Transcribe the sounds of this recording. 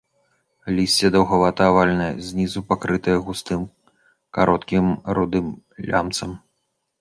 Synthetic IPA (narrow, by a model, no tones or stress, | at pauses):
lʲisʲt͡sʲɛd̪ɐwɣavat̪ɐavalʲnɐjɐ̰zʲnʲizupakɾɨt̪ɐjɐɣust̪ɨm | kaɾʔɔt̪kʲimɾud̪ɨm | lʲa̰mt̪sɐm